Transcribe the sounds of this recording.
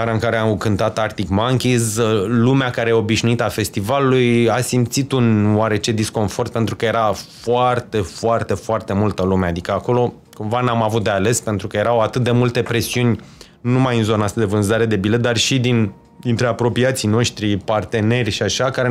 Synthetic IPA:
aɾaɨŋkaɾeakɨnt̪at̪art̪ikmaŋkʲizlumeakaɾejeo̞biʃnuit̪afe̞st̪ivalulujasimt̪sit̪unwaɾe̞t͡ʃe̞d̪isko̞nfo̞rt̪̚pe̞nt̪ɾukəje̞ɾafoart̪e̞foart̪e̞foart̪e̞mult̪əlumead̪ikəako̞lo̞ | kumvanamavut̪̚d̪e̞ale̞spe̞nt̪ɾukəje̞ɾawat̪ɨt̪̚d̪emult̪e̞pɾe̞siunʲ | numajɨnzo̞naast̪ad̪e̞vɨnzaɾe̞d̪e̞bile̞t̪̚d̪arʃid̪in | d̪int̪ɾe̞apɾo̞piat̪sijno̞ʃt̪ɾipart̪e̞ne̞rʲʃiaʃakaɾe

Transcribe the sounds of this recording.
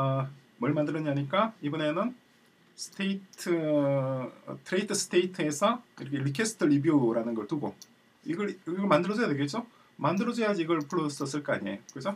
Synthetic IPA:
mwʌɭmandɯɾʌɲaɲik͈aibune̞nɯn | sʰɯ̥tʰeitʰɯ | tʰɯɾeitʰɯs͈ʰɯ̥tʰeitʰɯe̞sʰʌiɾʌkʰeɭikʰesʰɯ̥tʰɯɭibjuɾanɯnɡʌɭtuɡo | iɡʌɾɡʌɭmandɯɾʌd͡ʑʰʌjadwe̞ɡet̚t͡ɕ͈o | mandɯɾʌd͡ʑʌjad͡ʑiiɡʌɭpʰuɭos͈ʌs͈ɯɭk͈ʌa̰ɲiḛjokɯesʰo

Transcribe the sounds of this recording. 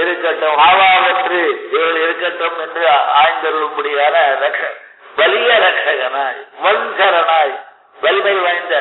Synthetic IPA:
ɪɾɯkːɐʈːɐmaːʋaːʋɐtrɯɛʋɐɭɛɾɯkːɐʈːɐmɛndrɯaːjnd̪ɐɾɯɭɯkːuɽɪjaːnɐɾɐkʂɐ | ʋɐlɪjɐɾɐkʂɐɣɐnaːjʋɐnsɐɾɐnaːj | ʋɐlɪmɐɪʋɐjɪnd̪ɐ

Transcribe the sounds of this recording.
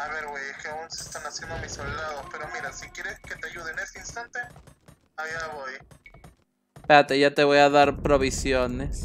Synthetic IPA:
aβe̞ɾɣwejeskeaunsest̪anasje̞nd̪omisold̪aðospe̞ɾo̞miɾasikje̞ɾe̞ske̞t̪eaʝuð̞ene̞st̪einst̪ant̪e̞ | ajaβoj | peat̪eʝat̪e̞βo̞jaðaɾpɾo̞βisjo̞ne̞s

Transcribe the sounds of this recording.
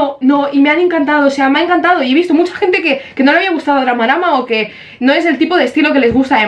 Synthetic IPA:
ono̞imeane̞ŋkant̪aðoːseameaeŋkant̪að̞oieist̪o̞mut͡ʃḁxe̞nt̪e̞kekeno̞leaβiaɣust̪aðoðɾamaɾamaoke̞ | noe̞se̞lt̪ipoðest̪ilo̞ke̞le̞zɣust̪aðe

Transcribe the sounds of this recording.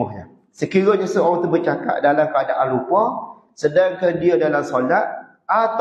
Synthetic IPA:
ɔhɲa | səkiɾaɲasəoɾat̪ubərt͡ʃaka̰ʔ̚dalamkəadaʔanlukwɔ | sədaŋkandiadalamsolat̪̚ | at̪

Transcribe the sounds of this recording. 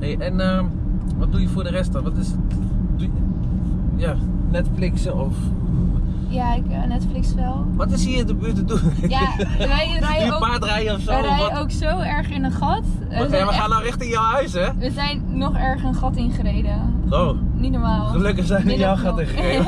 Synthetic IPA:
neːʔɛnə | ʋɔt̚dujəfʊːdərɛst̚dɑnʋɔtɪs | dujə | ja | nɛtflɪksəɔf | jakː | nɛtflɪksʋɛlˠʋɔtɪshiːdəbøːtədujajipaːtrɛjəɔfsojowksowɛɹχɪnənχɔt | jaʋəxaːnɔrɪxtɪnjawhœɥsɛʋəzɛjnːɔχɛɹχənχɔtɪnχərejdəoːnitnomaːlˠχəløkəχsɛjnəjawxɔtɪnχəreːə

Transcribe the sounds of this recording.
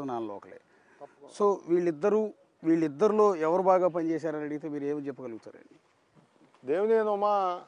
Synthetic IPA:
naːnlɔ̰ːkɐlḛː | soːʋiːɭːid̪ːɐɾu | ʋiːɭːid̪ːɐɾilo̞ːɛʋɐɾubaːɡaːpɐnt͡ʃeːs̬aːɾɐnɐɽiɡit̪eːmiːɾueːmt͡ʃɛpːɐkɐluɡut̪aːɾɐ̰ɳɖi | d̪eːʋuneːnoma

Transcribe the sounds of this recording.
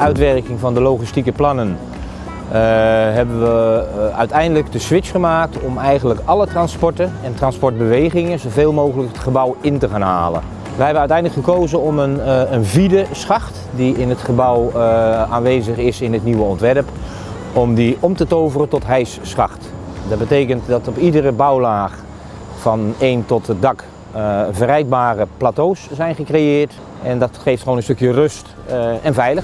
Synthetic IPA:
œɥtʋɛrkɪŋvɑndəlowχistikəplɑnən | ɦɛbənʋəœ̰ɥtɛjndələk̚dəsʋɪt͡ʃχəmaːk̚tɔmɛjχəndləkɑlətrɑnspɔɹtənɛntrɑnspɔɹd̚bəʋejχɪŋənzowveːlˠmowχələkətχəbʌwɪntəχaːnɦa̰ːlə̰n | ʋəɦɛbənœɥtɛjndələkχəkowzənɔmənənvidəsχɑχt | diɪnɦətχəbʌwaːnʋeːzəχɪsɪnətniʋəɔntʋɛrp | ɔmdiʔɔmtətowvərətɔtɦɛjsːχɑxtdɑd̚bətejkəntdɑtɔpidərəbɑwlaːχ | fɑneːntɔtədɑk | vərɛjd̚baːrəplaːtowszɛjnχəkrejɪːɹt | ɛndɑtχejftχʋoːnənstøkjərøst | ɛnvɛjlə

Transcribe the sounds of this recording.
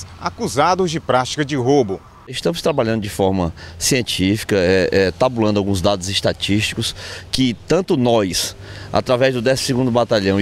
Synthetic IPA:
akuzad̪ʊzd͡ʒɪpɾat͡ʃi̥kɐd͡ʒɪɦobʊ | ɪʃt̪ɐ̃mʊst̪ɾabaʎɐ̃nd̪ʊd͡ʒɪfɔɾmɐsiẽnt͡ʃifi̥kɐɛʔɛt̪abulɐ̃nd̪ʊawɡũzd̪ad̪ʊzɪst̪at͡ʃiʃt͡ʃi̥kʊskɪt̪ɐ̃nt̪ʊnɔjsa̰t̪ɾavɛzd̪ʊd̪ɛssɪɡũd̪ʊbat̪aʎɐ̃w̃

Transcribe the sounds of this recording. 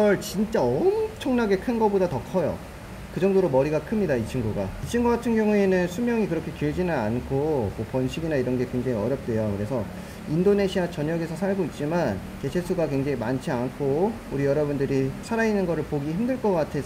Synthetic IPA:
ʌɭt͡ɕint͡ɕ͈aʌmt͡ɕʰʌŋnaɡe̞kʰɯnɡʌbodatʌkʰʌjo̰ | kɯd͡ʑʌŋdoɾomʌɾiɡakʰɯmɲidait͡ɕʰiŋɡuɡa̰it͡ɕʰiŋɡuɡatʰɯnɡjʌŋue̞nɯnsʰumjʌŋikɯɾʌkʰe̞kiɭd͡ʑinɯnankʰomʌpʌnɕʰiɡinaiɾʌnɡe̞kwe̞ŋd͡ʑeŋiʌɾjʌp̚t͈we̞jokɯɾe̞sʰʌ | indone̞ɕʰiat͡ɕʌɲʌɡe̞sʰʌsʰaɭɡoit̚t͡ɕ͈iman | ke̞t͡ɕʰesʰuɡakwe̞ŋd͡ʑeŋimant͡ɕʰiankʰo | uɾijʌɾʌbundɯɾisʰaɾainɯnɡʌɾɯɭpoɡiçimdɯɭk͈ʌk͈atʰe̞

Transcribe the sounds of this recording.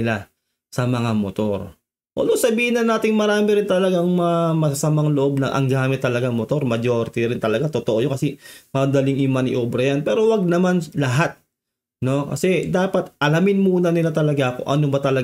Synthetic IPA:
ɪla | sɐmɐŋamot̪o̞ɾ | ʔo̰ːnosɐbiːhɪnɐnːaːt̪ɪŋmɐɾaːmɪɾɪnt̪ɐlɐɡaŋmɐamɐsɐsɐmaŋloʔo̞b̚nɐʔɐ̰ŋɡaːmɪt̪ːɐlɐɡaŋmot̪o̞ɾmɐd͡ʒoɾt̪ɪɾɪnt̪ɐlɐɡat̪ot̪oʔojoŋkɐsɛmɐd̪ɐlɪŋjʊmɐnɪ̰ʔoːbɾɐjanpɛːɾo̞wɐɡ̚nɐmanlɐɦat̪̚ | no̞kɐ̰sɛd̪aːpɐt̪ʔɐlamɪnmuːnɐnɪlat̪ɐlɐɡako̰ʔɐnobɐt̪ɐlɐ

